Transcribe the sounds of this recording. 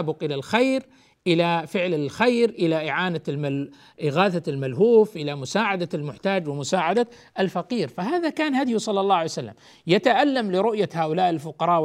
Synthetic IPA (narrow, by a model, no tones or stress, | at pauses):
bʊqʔɪlalxajɾ | ʔɪlafɪʕlɪlxajɾʔɪlaʔɪʕaːnama | ʔɪɣaːθalmalɦuːfʔɪlamʊsaːʕad̪almʊħt̪aːd͡ʒwɪmʊsaːʕad̪a | ʔɪlfaqiːɾfaɦaːðakaːnhad̪jusˤɑlːɑlˤːɑːʕajsalːa̰m | jat̪aʔalːamlɪɾʊʔjahaːʔʊlaːʔɪlfʊqɑɾˤɑːʔ